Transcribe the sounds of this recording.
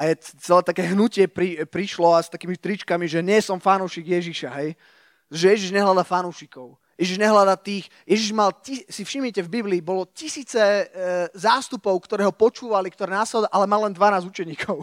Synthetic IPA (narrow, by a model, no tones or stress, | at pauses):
ajɛt͡sɛlɛːt̪akɛːɦnucɪɛpɾipɾiʃlɔast̪akiːmift̪ɾit͡ʃkamiʒɛɲɪɛsɔmfanuːʃiɡjɛʒiʃaɦɛj | ʒɛjɛʒiʒɲɛɦlad̪afanuːʃikɔʊ | jɛʒiʒɲɛɦlad̪at̪iːxjɛʒiʒmalcisifʃimicɛvbibliːbɔlɔcisiːt͡sɛ | zaːst̪upɔʊkt̪ɔɾɛːɦɔpɔt͡ʃuːʋalikt̪ɔɾɛːnaːslɛd̪ɔʔalɛmallɛnd̪ʋanaːzut͡ʃɛɲiːkʰɔʊ